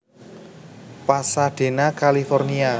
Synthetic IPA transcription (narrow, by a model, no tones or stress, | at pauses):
pasad̥e̤nakalifɔrnia